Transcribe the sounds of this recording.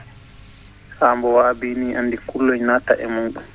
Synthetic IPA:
saːmbɔwaːbiːniːʔanːdikulːɔjnata̰ʔɛmunɗu

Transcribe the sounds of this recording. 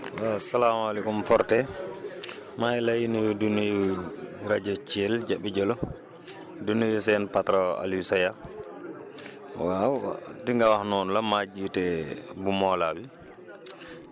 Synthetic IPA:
wasalamalɛkumfɔɾtɛ | majlajinidunijuɾad͡ʒɔt͡ʃɛld͡ʒaɓːid͡ʒɔlɔ | dunijusɛnpatɾɔa̰lisɔja | wadiŋɡawahnɔnulamad͡ʒitɛbumɔlabi

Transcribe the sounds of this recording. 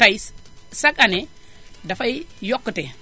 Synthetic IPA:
tajssakane | dafajjokːəte

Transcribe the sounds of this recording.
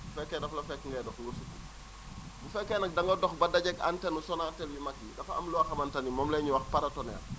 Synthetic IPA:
bufɛkːɛdɐflɐfɛkːŋɡɛdɔxŋɡusuku | bufɛkːɛnɐk̚dɐŋɡɔdɔxbɐdɐɟɛka̰ntɛnusɔnatɛljumakːikɐfɐɐmluwaxɐmɐntɐnimɔmlɛɲuwɐxpaɾɐtɔnɛ̰l

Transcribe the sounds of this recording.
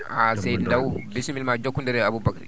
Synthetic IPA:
asɛjdndawbisimilmad͡ʒɔkːundɛɾɛabubɐkɾi

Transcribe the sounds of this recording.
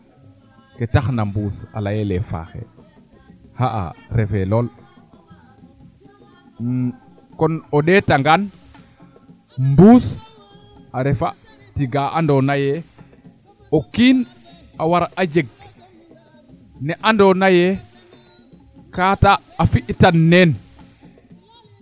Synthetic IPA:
ketaxnambuːsa̰lajɛlɛfa̰xɛ̰ | haʔa̰ɾɛfɛlol | kɔnɔɗɛtaŋɡan | mbuːs | aɾɛfa | tiɡaʔandɔnajɛ | ɔkiːn | ʔawaɾaʔad͡ʒeɡ̚ | nɛʔandɔnajɛ | kataː | fiʔtanːɛn

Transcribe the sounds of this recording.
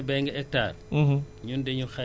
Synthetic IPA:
bɛŋɡɛɛta̰ːɾ | ɲundeɲuxa

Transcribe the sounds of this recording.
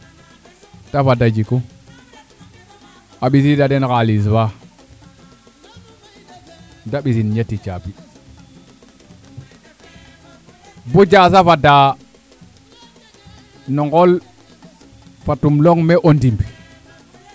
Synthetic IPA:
tafadad͡ʒiku | aɓis̬idadenkalis̬fa | daɓis̬inɲetːit͡ʃapi | bod͡ʒas̬afada | noŋɡol | fatumloŋmeʔondimbi

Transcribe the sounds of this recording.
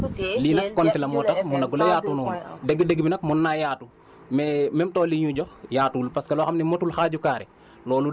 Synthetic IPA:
linɐkːɔntilɐmɔːtɐmunɐɡulɐjaːtunuːndeɡideɡbinɐkmunːajaːtu | mɛmɛmtɔːliɲuɟɔxjaːtuːlpɐskɐlɔxɐmnimotuːlxaːɟukaːɾɛ | lɔːlu

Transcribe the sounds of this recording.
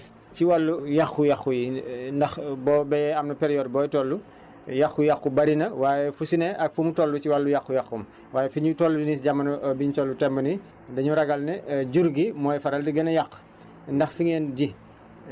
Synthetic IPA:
t͡ʃiwalːujɐxːujɐxujindɐxbɔːbɛjɛɐmnɐpɛɾijɔːdbɔːjtɔlːu | jaxːujakːubɐɾinɐwaːjɛfusinɛʔɐk̚fumutɔlːut͡ʃiwɐlːujɐxːujɐxum | waːjɛfiɲutɔlːudinisɟamɐnɐʔbiɲutɔlːutɛmbɐni | dɐɲuɾɐɡɐlnɐɟuɾɡimɔːjfɐɾɐldiɡɐnɐjɐxː | ndɐxfiŋɛːnɟi

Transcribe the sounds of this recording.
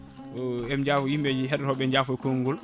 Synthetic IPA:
ɛmd͡ʒaːfɔjimbɛd͡ʒiɦɛɗɾɔɓɛɲd͡ʒaːfɔkoŋːɡul

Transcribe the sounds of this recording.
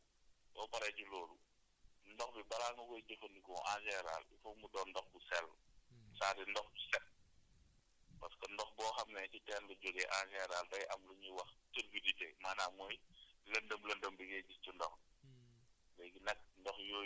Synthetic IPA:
bɔːpɐɾɛɟulɔːlu | ndɔxbibɐɾaːŋɡukɔjɟɐfɐndikɔːʔãːsɛɾa̰ːlifɔkmudɔːndɔxkusɛlsaːdindɔxbisɛt̚ | pɐskəndɔxbɔːxɐmnɛcitɛːnbɐɟɔɡɛʔãːkɛɾaːltɐjʔɐmluɲuwɐxtəɾɡiditɛmaːnaːmɔjlɐndəmlɐndəmbiɡɛɟiscundɔx | bɛjɡinɐk̚ndɔxjoː

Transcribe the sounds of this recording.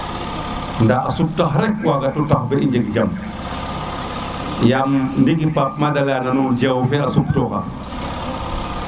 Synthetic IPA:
ndaasup̚taxɾek̚waɡatutaxbeiɲd͡ʒekd͡ʒam | jamndikipap̚madalananud͡ʒawfeasup̚toka̰

